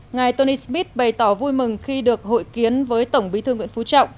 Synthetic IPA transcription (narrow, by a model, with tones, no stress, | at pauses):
ŋaː˨˩jt̪o˧ni˧smi˦˥t̚ɓə˨˩jt̪ɔ˧˩vu˧jmɨ˨˩ŋxi˧ɗɨ˨˩ək̚ho̰˧˨jki˨˦ənvəː˨˦jt̪ə˧˩wŋ͡mɓi˨˦t̪ʰɨ˧ə˧ŋwḭ˧˥ənfu˨˦t͡ɕɔ̰˧˨wŋ͡m